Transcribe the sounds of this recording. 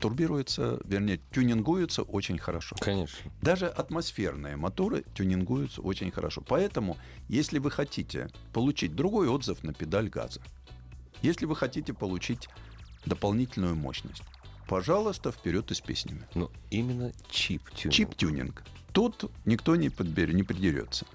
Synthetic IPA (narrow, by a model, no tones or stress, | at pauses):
t̪ʊrbʲiɾʊjɪt̪sə̰vʲɪrnʲejətʲʊnʲɪnɡujʊt̪səʔo̞t͡ɕɪnʲxəɾɐʂo̞̰kɐnʲeʂnd̪aʐɨʔɐt̪mɐsfʲe̞rnɨjəmɐt̪o̞ɾɨ̰tʲʊnʲɪnɡujʊt̪sə̰o̞t͡ɕɪnʲxəɾɐ̰ʂo̞̰pɐɛt̪əmʊ | jesʲlʲɪvɨxɐtʲitʲɪ̰ | pəlˠʊt͡ɕit̚ʲd̪ɾʊɡo̞jo̞d̪zəfnəpʲɪd̪alʲɡa̰zə | jesʲlʲɪvɨxɐtʲitʲɪpəlˠʊt͡ɕitʲ | d̪əpɐlˠnʲitʲɪlʲnʊjʊmo̞̰ɕnə̰sʲtʲpɐʐalˠʊst̪əfpʲɪɾʲo̞t̪ɨsʲpʲḛsʲnʲɪmʲɪnoimʲɪnːət͡ɕipʲt͡ɕitʲunʲɪ̰nk | t̪ut̪nʲɪkt̪o̞nʲɪpəd̪̚bʲɪnʲɪpɾʲɪdʲɪɾʲo̰t̪sːə̥